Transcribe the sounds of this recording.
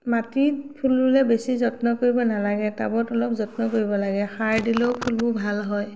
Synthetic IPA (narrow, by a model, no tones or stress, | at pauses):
matipʰulbulɛbesizɔtnɔkoɹibɔnalaɡɛta̰bɔtɔlɔp̚zɔtnɔkoɹibɔlaɡɛxaɹdiloʊpʰulbʊbʱalɦɔj